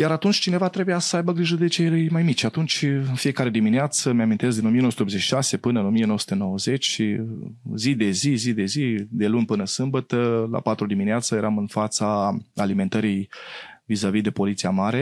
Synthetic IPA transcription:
jaɾat̪unt͡ʃʲt͡ʃine̞vat̪ɾe̞bujasəajbəɡɾiʒəd̪e̞t͡ʃejjmajmit͡ʃʲat̪unt͡ʃʲɨnfije̞kaɾe̞d̪imineat̪səmeamint̪es̬d̪ino̞mijenosut̪eopzet͡ʃʃi̥ʃase̞pɨnəɨno̞mijenoəsu̥t̪eno̞wəze̞t͡ʃʲ | zid̪e̞zizid̪e̞zid̪e̞lunʲpɨnəsɨmbət̪əla̰pat̪ɾud̪imineat̪səje̞ɾamɨnfat̪saalime̞nt̪əɾijvizavid̪e̞po̞lit̪siamaɾe̞

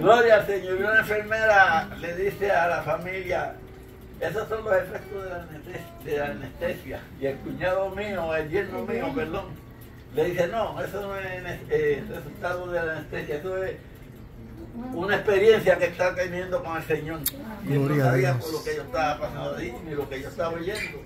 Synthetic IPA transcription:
ɡloɾjaelseɲoɾionaẽɱfeɾmeɾaleðisealafamilja | esosːonlosefek̚t̪oðela | d̪elanest̪esja | ielkuɲaðomioelbjenomioβeloŋ | leðisenoesonoeneeresult̪aðoðelaneht̪esjaesoes | unaehpeɾjensjaket̪akamjend̪okoŋelseɲoŋeɾaɾiapoɾlokejot̪aβapasand̪oðinilokeʝost̪aβaojend̪o

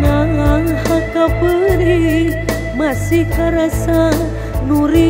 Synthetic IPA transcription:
naŋaŋhakapəɾi | masikaɾasa | nuɾi

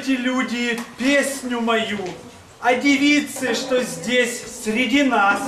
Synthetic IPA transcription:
tʲɪlʲudʲɪpʲesʲnʲʊmɐju | ɐdʲɪvʲit̪sɨʂt̪ozʲdʲesʲsʲɾʲɪdʲinas

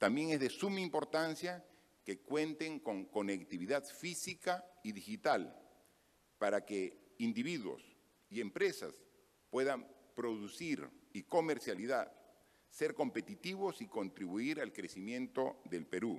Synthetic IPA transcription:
t̪ambje̞ŋezðe̞sumaimpo̞ɾt̪ansja | ke̞kwe̞nt̪e̞ŋko̞ŋko̞nekt̪iβiðaðfisikaiðixit̪al | paɾake | ind̪iβiðwo̞̰s | ie̞mpɾe̞sa̰s | pwe̞ðam | pɾo̞ðusiɾiko̞meɾsjaliðað | se̞ɾko̞mpe̞t̪it̪iβo̞siko̞nt̪ɾiβuiɾalkɾe̞simjẽ̞nt̪o̞ðe̞lpe̞ɾu

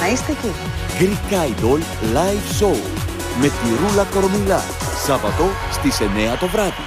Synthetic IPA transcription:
ɐist̪ece | ɡɾikɐjd̪ol | lɐjfsow | me̞t̪iɾulɐko̞ɾomilɐ̰ | sɐvɐt̪o̞ | st̪ise̞ne̞ɐt̪o̞vɾɐði̥

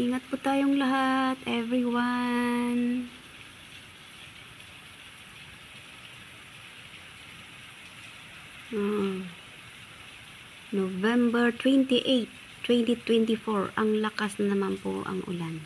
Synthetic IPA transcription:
ʔiŋɐt̪̚pʊt̪aːjoŋlɐɦat̪ʔɛvɹiwan | ʔoʔo | novɛmbɛɹt̪wɛnt̪ɪʔejt̪ː | wɛnt̪it̪wɛnt̪ɪfoɹɐŋlɐkasnɐmanpʊ̰ʔɐ̰ŋʔʊ̰lan

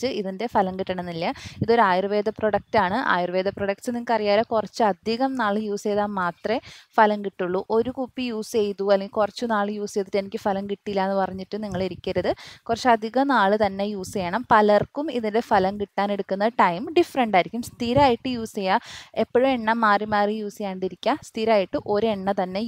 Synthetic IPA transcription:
t͡ɕːɨiðinde̞fɐlɐŋkiʈːɐɳɐnːilːɐiðo̞ɾuaːjirɨʋeːd̪ʱɐproɽɐk̚taːɳɨʔa̰ːjirɨʋe̞ːd̪ʱɐproɽɐk̚ʈsɨnːikːɐrijaːlɐkurɐt͡ɕːɨɐd̪ʱiɣɐmnaːɭɨjuːsejðaːnmaːt̪rɐfɐlɐmkiʈːuɭːuʔo̞ɾukupːijuːsejðuɐlːeŋɡilkurɐt͡ɕːɨnaːɭɨjuːsejðitːenikʲːɨfɐlɐmkiʈːilːaːenːɨpɐrɐɲːiʈːɨniŋːɐɭiɾikʲːɐɾɐðɨkurɐt͡ɕːɐd̪ʱiɣɐmnaːɭɨt̪ɐnːe̞juːsejɐɳɐmpɐlɐrkumiðinde̞fɐlɐmkiʈːaːne̞ɽukːunːɐʈɐjmɖifɐrɐɳɖaːjiɾikʲːumst̪ʰiːɾaːjiʈːɨjuːsejae̞pːoɻumeɳːɐmaːrimaːrɨjuːsejaːɳɖiɾikʲːast̪ʰiɾaːjiʈːɨʔo̞ɾeɳːɐt̪ɐnːe̞

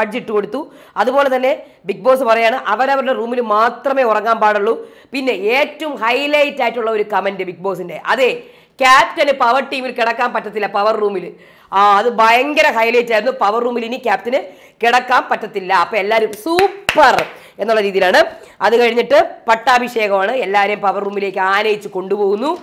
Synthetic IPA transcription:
ɐd͡ʑiʈːɨko̞ɽut̪ːu | ɐðupoːle̞t̪ɐnːe̞ | bik̚bo̞ːs̬ɨpɐrɐjaːɳɨʔɐʋɐɾɐʋɐɾuɽeruːmilɨmaːt̪rɐme̞ːurɐŋːaːmpaːɽuɭːu | pinːe̞eːtːɐʋumhɐjlɐjtːaːjitːuɭːɐo̞ɾukɐmɐndɨbik̚bo̞ːsinde̞ʔɐðe | kʲaːp̚tɐnɨpɐʋɐrʈːiːmilkiɽɐkːaːmpɐtːɐt̪ːilːɐpɐʋɐrːuːmilː | ɐðɨbʱɐjɐŋɡɐɾɐɦɐjlɐjtːaːjɾunːupɐʋɐrːuːmilinikʲaːptɐnɨ | kiɽɐkːaːmpɐtːɐt̪ːilːɐɐpːɐːelːaːɾumsuːpːɐr | e̞nːuɭːɐɾiːðijilaːɳɨ | ɐðɨkɐɻiɲːiʈːɨpɐʈːaːbʱiʂe̞ːɣɐmaːɳɨelːaːʋɐɾɐjumpɐʋɐrːuːmile̞ːkʲːɨaːnɐjit͡ɕːuko̞ɳɖupo̞ːɣunːu

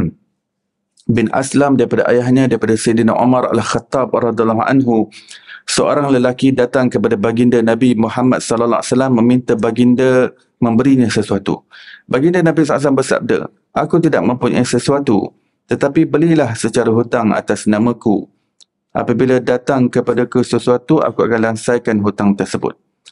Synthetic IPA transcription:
bɪnʔa̰slamdaɾipada̰ʔa̰jaɦɲãdaɾipadasejdina̰ʔo̰maɾa̰lxat̪ːɑb̚rɑd̪ialːɑɦa̰nɦu | səʔo̰ɾaŋləlakidat̪aŋkəpadabaɡindənãbimuhamat̪̚sɔlalːaa̰salamːə̃mĩnt̪abaɡində | mə̃mbəɾiɲãsəsuat̪ṵbaɡindənabisɔlas̬lambərsa̰b̚də̰ | ʔakut̪idaʔ̚mə̃mpuɲa̰səsuat̪ṵ | t̪ət̪apibəlilahsət͡ʃaɾaɦut̪aŋa̰t̪asnãmə̃ku | ʔa̰pəbiladat̪aŋkəpadakusəsuat̪uʔa̰kua̰kanlansajkanɦut̪aŋt̪ərsəbʊ̰t̪̚

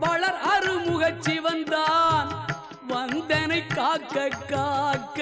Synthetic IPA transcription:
pɐɭɐɾɐrɯmʊɣɐt͡ʃːiʋɐnd̪aːn | ʋɐnd̪ɛnɐɪkːaːkːɐkːaːkː

